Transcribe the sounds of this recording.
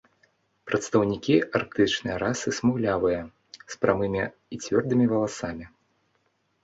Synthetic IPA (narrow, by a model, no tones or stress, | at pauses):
pɾʔɐt̪st̪ɐwnʲikʲiark̚t̪ɨt͡ʂnɨjɐɾasɨsmɨwlʲavɨjɐ | spɾamɨmʲi | it͡sʲvʲɔrd̪ɨmʲivɐlˠasamʲi